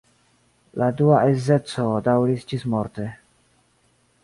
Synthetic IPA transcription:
laduaʔeze̞t͡sodawɾisd͡ʒismoɾte̞

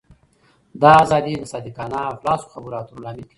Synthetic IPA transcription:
d̪ɑːzɑːd̪id̪əsɑd̪ikɑːnaflɑsu̥xabuɾɑt̪uɾlɑːmɪlki

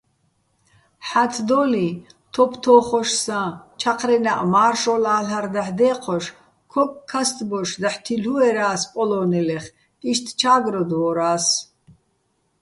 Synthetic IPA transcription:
ħat̪ʰd̪ɔli | t̪ʰɔpʰt̪ʰɔːχɔʃsat͡ʃʰaqʰɾɛnaʔmaːrʃɔlaːlaɾd̪aħd̪ɛːqʰɔʃ | kʰɔkʼkʰːast̪ʼbɔʃd̪aħt̪ʰiluɛɾaːspʼɔlɔːnɛlɛχ | tʼiʃt̪ʰt͡ʃʰaːɡɾɔd̪ɔɾaːs

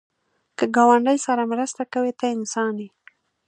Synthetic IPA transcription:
kəɡɑwaɳɖəjsaɾamɾəst̪akawet̪aɪnsɑni

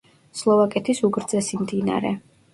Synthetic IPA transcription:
slˠɔvakʼɛt̪ʰisuɡɾd̪zɛsimd̪ina̰ɾɛ̰

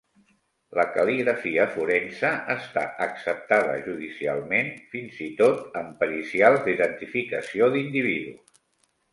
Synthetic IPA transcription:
ləkəliɣɾəfiəfuɾɛnsəəst̪a̰əksəp̚t̪aðə̰ʒuðisia̰lˠmenfinzit̪ot̪əmpəɾisialˠzd̪iðənt̪ifikəsioðind̪iβiðṵs

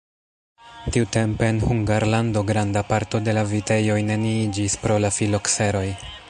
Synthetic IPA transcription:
tiute̞mpe̞ːnhuŋɡaɾlando̞ɡɾandapaɾto̞de̞lavite̞jo̞jne̞niid͡ʒispɾo̞lafilokse̞ɾo̞j

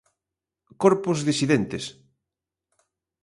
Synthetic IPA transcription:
koɾpʊzðisiðent̪es

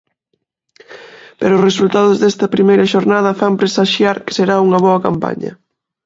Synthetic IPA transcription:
peɾoʊsresult̪að̞ʊzðɛst̪ɐpɾimejɾɐʃoɾnað̞ɐfampɾesaʃjaɾkɪ̥seɾauŋɐβ̞ɔɐkampa̰ɲɐ̰

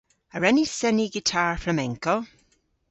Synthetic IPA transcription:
əɹɛnisɛniɡɪtʰaːɹfɹəmɛ̃ŋko

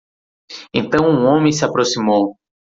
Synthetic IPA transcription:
ẽnt̪ɐ̃w̃ũõmẽj̃sɪapɾosimow

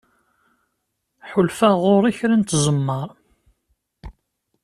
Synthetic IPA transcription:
ħʊlfæʁʊɾˤiçɾant̪zˤəmːəɾˤ

